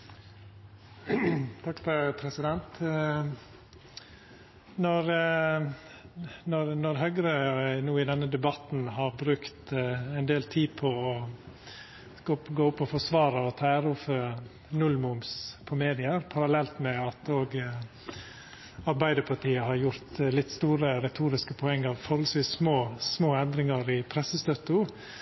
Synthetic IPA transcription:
t̪ʰɑkfpʰɾɛsɪd̪ɛnt̪ | nɔɾ | nɔɾnɔɾɦœɡɾənuːɪd̪ɛnːəd̪ɛbɑt̪n̩hɑɾbɾʉkt̪ɛnd̪eːlt̪ʰiːpʰɔɔ | ɡoɡoːʊpːɔfɔsʋɑːɾəɔt̪ʰɑːæːɾuːfə | nʉlmʊmspʰɔmeːd̪ɪəɾpʰɑɾɑlɛlt̪mɛɑt̪oːɡ | ɑɾbæɪd̪əɾpʰɑʈiːəhɑɾjʊɾt̪lɪt̪ːst̪uːɾəɾɛt̪ʰuːɾɪskəpʰɔɛŋːɑʋfɔɾhɔlsʋiːsːmoːsmoːɛnd̪ɾɪŋəɾɪpʰɾɛsəst̪œt̪ːʊ

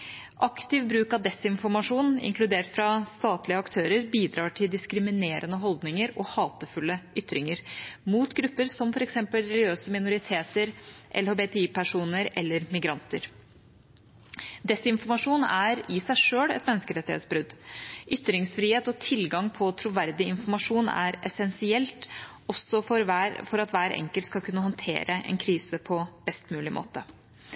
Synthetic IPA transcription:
ʔɑkt̪ɪʋbɾʉːkɑʋd̪ɛsɪnfɔɾmɑʂuːnɪ̰ŋklʉd̪eːʈfɾɑst̪ɑːt̪lɪəɑkt̪ʰøːɾəɾbiːd̪ɾɑːʈʰɪld̪ɪskɾɪmɪneːɾənəɦɔld̪nɪŋəɾɔhɑːt̪əfʉlːəʔʏt̪ːɾɪŋəɾmuːt̪ɡɾʉpːəɾsɔmfɔɾɛksɛmpəlɾɛlɪøːsəmɪnʊɾɪt̪ʰeːt̪əɾʔɛlhoːbeːt̪ʰɛiːpʰæʂuːnəɾɛ̰lːəɾmɪɡɾɑnt̪əɾ | d̪ɛsɪnfɔɾmɑʂuːnæɾɪsæɪʂøːɽɛ̰t̪mɛnːəskəɾɛt̪ːɪhḛt̪sbɾʉd̪ʔʏt̪ːɾɪŋsfɾiːheːt̪ɔt̪ʰɪlɡɑŋpʰɔt̪ʰɾʊʋæɾd̪ɪɪnfɔɾmɑʂuːnæ̰ɾɛsɛnsɪɛlt̪ | ɔsɔfɔɾæfɔɾɑt̪ʋæːɾɛ̰ŋkəlt̪skɑlkʰʉnːəhɔnt̪ʰḛːɾəʔɛ̰nkʰɾiːsəpʰɔb̥ɛst̪mʉːlɪmʔo̰ːt̪ə

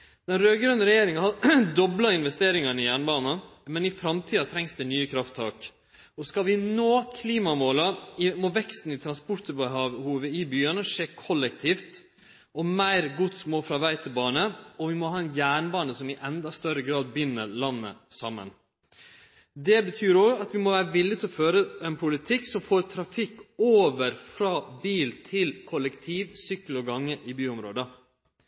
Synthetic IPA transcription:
d̪̥ɛnɾøːɡɾœnəɾɛjeːɾɪŋɑnhɑd̪ɔblɑɪnʋɛst̪eːɾɪŋɑnɪjæːɳbɑːnɑmɛnɪfɾɑmt̪ʰiːɑt̪ʰɾɛŋsd̪ɛnyːəkʰɾɑft̪ʰːɑːk | ɔskɑlʋɪnoːkʰliːmɑmoːlɑɪmɔʋɛkst̪n̩ɪt̪ʰɾɑnspʊʈ̪bəɦɑːʋhuːʋəɪbyːənəʂeːkʰɔlːɛk̚t̪ʰiːft̪ | ɔmæɪɾɡʊt̪smoːfɾɑʋæɪt̪ʰɪlbɑːɳəɔʋɪmɔɦhɑːɛnjæːɳbɑːnəsɔmɪʔɛnd̪ɑst̪œɾəɡɾɑːd̪̚bɪnːəɾlɑnːə̰sɑmːə̰n | d̪ɛbət̪ʰyːɾɔɡɑt̪ʋɪmɔʋæːɾəʋɪlːɪt̪ʰɪlɔføːɾəɛnpʰʊlɪt̪ʰɪkːsɔmfoːɾt̪ʰɾɑfɪkːoːʋəɾfɾɑːbiːlt̪ʰɪlkʰɔlːɛkt̪ʰiːʋsʏkːlɔɡɑŋːəʔɪbyːʊmɾo̰ːd̪ə

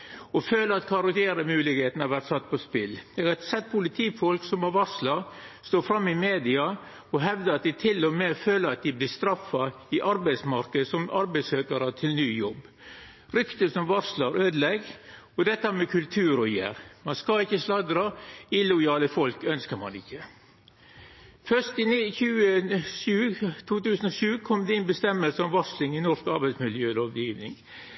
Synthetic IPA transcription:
ɔføːləɾɑt̪kʰɑɾɑt̪eːɾəmʉːlɪɡheːt̪n̩ɑʋæɾt̪sɑt̪ːpʰɔspɪld̪̥ɛt̪sɛt̪̚ːpʰʊlɪt̪ʰiːfɔlksɔmɔʋɑɾʂlɑ | st̪oːfɾɑmːɪmeːd̪ɪɑ | ɔɦɛʋd̪əɾɑt̪̚d̪ɪt̪ʰɪlːɔmeføːləɾɑt̪̚d̪ɪblɪst̪ɾɑfːɑ | ɪʔɑɾbæɪd̪smɑɾkəd̪sɔmɑɾbæɪsøːkɑɾət̪ʰɪlnyːjɔbː | ɾʏkt̪əsɔmʋɑʂlɑɾøːd̪lɛɡ | ɔd̪ɛt̪ːəæɾmɛkʰʉlt̪ʰʉːɾɔjæ̰ːɾmɑnskɑɪçːəslɑd̪ɾɑɪlʊjɑːləfɔlkœnskəɾmɑ̰nɪçːə | fœʂtɪnçʉːəʃʉːt̪ʰuːt̪ʉːsənɔʂʉːkʰɔmd̪ɛɪnbəst̪ɛmːəlsəɔmʋɑʂlɪŋɪnɔʂkɑɾbæɪsmɪljøːloːʋjiːʋnɪŋ

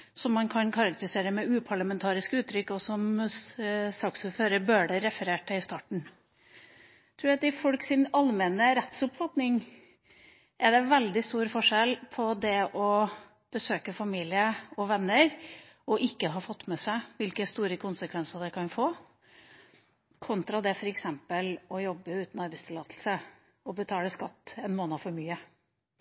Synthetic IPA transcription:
sɔmːɑnkʰɑnkʰɑɾɑkt̪əɾɪseːɾəmɛʉːpʰɑɭəmɛnt̪ʰɑːɾɪskʉːt̪ʰɾʏkːɔsɔm | sɑːksʉføːɾəbøːɖɛɾɛfəɾeːʈəɪst̪ɑːʈɳ̩ | t̪ʰɾʉːɑt̪ɪfɔlksɪnɑlmɛnəɾɛt̪sʊpfɑt̪nɪŋ | ʔɛɖɛʋɛld̪ɪst̪uːɾfɔʂɛlpʰɔd̪ɛʔɔ | b̥əsøːkəfɑmiːlɪəɔʋɛnːəɾ | ɔʔɪkːəɦɑːfɔt̪ːmɛsæɪʋɪlkəst̪uːɾəkʰʊnsəkʰʋɛnsəd̪ɛkʰɑnfoː | kʰʊnt̪ɾɑd̪ɛfɔɾɛksɛmpəlɔjɔbːəʉːt̪n̩ɑɾbæɪst̪ʰɪlɑːt̪ʰl̩sə | ɔbət̪ʰɑːləskɑt̪ːɛnmoːnəfɔɾmyːə

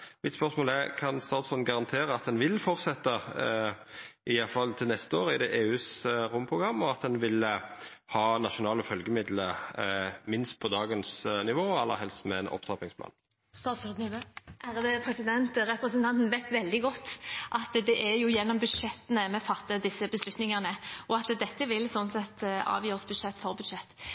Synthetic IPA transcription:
mɪt̪spœʁsmoːlɛɾkʰɑnst̪ɑːt̪sɔnɡɑʁɑnt̪ʰeːɾəɑt̪̚d̪ɛnʋɪlfɔʁt̪sɛt̪ːə | ʔɪjɑfɑlt̪ʰɪlnɛst̪əoːɾəɪd̪ɛʔeːʉːsɾʊmːpʰɾʊɡʁɑmːɔɑt̪d̪ɛnʋɪlə | hɑːnɑʃʊnɑːləfœlɡəmɪd̪lə | mɪnst̪̚pʰɔd̪ɑːɡənsnɪʋoːɛlːə̰ɦɛlst̪mɛɛnʔɔ̰pt̪ʰɑpɪŋsp̪ʰɑ̰ːn | st̪ɑːsɔd̪nʔæʁd̪əpʰɾɛsɪd̪ɛnt̪ɾɛpɾəsnt̪ʰɑnt̪nʋæɪt̪ʋɛld̪ɪɡɔt̪ːʔɑt̪d̪ɛʔæɾjʊjɛnːɔmbʉd̪ʂɛt̪ːənəmɛfɑt̪ːəd̪ɪsːəbəslʉt̪nɪŋɑnəʔɔɑt̪d̪ɛt̪ːəʋɪlsɔnsɛt̪ːɑ̰ːʋjøːʁəsbʉd̪ʂɛt̪ːfɔʁbʉd̪ʂɛt̪ː

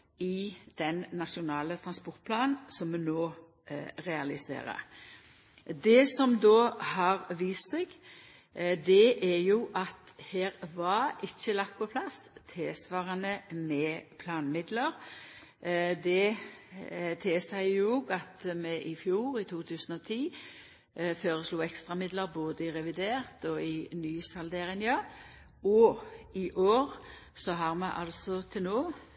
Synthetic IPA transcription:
ɪd̪̥ɛnːɑʂʊnɑːlət̪ʰɾɑnspɔʁt̪̚pʰlɑːnn̩sɔmmɛnoː | ʁɛɑlɪsḛːɾə̰ɾ | d̪ɛsɔmd̪oːhɑʁʋiːst̪sɛɡ | d̪ɛʔæjuʔɑt̪heːɾʋɑɾɪçːəlɑkt̪̚pʰɔpʰlɑst̪ʰeːsʋɑːʁənəmɛːpʰlɑːnmɪd̪ləɾ | d̪ɛ | t̪ʰeːsæɪjuɡɑt̪mɛʔɪfjuːʁɪt̪ʰuːt̪ʰʉːsənɔt̪ʰiː | føːɾəsluːɛkst̪ʁɑmɪd̪ləɾboːd̪əɪʁɛʋɪd̪eːʁt̪ɔɪnyːsɑld̪eːɾɪŋjɑ | ɔɪʔoːʁsɔɦɑɾmɛʔɑ̰lsɔt̪ʰɪlnoː

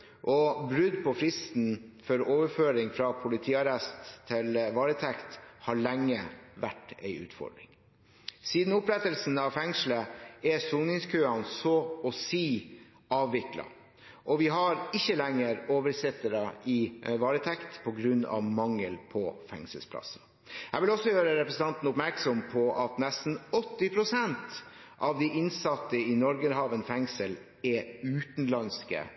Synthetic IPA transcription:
ʔɔbɾʉd̪pʰɔfɾɪst̪n̩fɔɾoːʋəɾføːɾɪŋfɾɑpʰʊlɪt̪ʰiːɑɾɛst̪ʰːɪlʋɑːɾət̪ʰɛkt̪hɑɭæŋːəʋæʈːæɪʔʉ̰ːt̪fɔ̰ɖɾɪ̰ŋ | siːd̪n̩ʊpɾɛt̪əlsn̩ɑʋfɛŋsl̩əɛsuːnɪŋskʰøːɑnsɔɔsiː | ɑːʋːɪklɑ̰ | ʔɔʋɪɦɑɾɪçːəlɛŋːəɾoːʋəɾsɪt̪ːəɾɑɪʋɑːɾət̪ʰɛkt̪pʰɔɡɾʉnːɑ̰ʋmɑŋːəlpʰɔfɛ̰ŋsəlspʰlɑ̰sːɑ | hæʋɪlɔsːɔjøːɾəɾɛpɾɛsən̩t̪ɑnt̪n̩ʊpmæɾksɔmpʰɔʔɑt̪nɛst̪n̩ɔt̪ːɪpʰɾʊsɛnt̪ | ʔɑʋd̪iʔɪnsɑt̪ːəɪnɔɾɡəɾɦɑːʋənfɛŋsəl | ɛʉːt̪nlɑnskə̰

